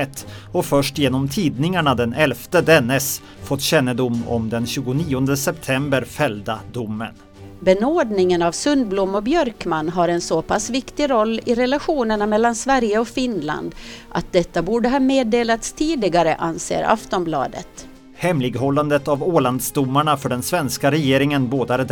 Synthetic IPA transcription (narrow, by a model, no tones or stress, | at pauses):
ɛt̪ː | ɔfœʂʈjeːnɔmt̪ʰiːd̪nɪŋaɳad̪ɛnɛlft̪əd̪ɛnːɛs | fɔt̪ːɕɛnːəd̪ʊmːɔ̰md̪ɛnɕʉːɡʊniːɔnd̪əsɛpt̪ʰɛmbəɾfɛld̪ad̪ʊmːə̰n | bɛnoːd̪nɪŋənavsɵnd̪̚blʊmːɔbjœɾkmanːɦaɾɛnsopʰasvɪkt̪ɪɾɔlːɪɾɛlaɧuːnəɳamɛlːansvæɾjəɔfɪnla̰nd̪ʔat̪̚d̪ɛt̪ːabuːɖəɦɑːmeːd̪eːlat̪st̪ʰiːd̪ɪɡaɾəʔansḛːɾa̰ft̪ɔmblɑ̰ːd̪ə̰t̪ | hɛmlɪɡɦɔlːand̪ət̪avoːland̪sd̪ʊmːaɳafœɖɛnsvɛnskaɾɛjeːɾɪŋənboːd̪aɾə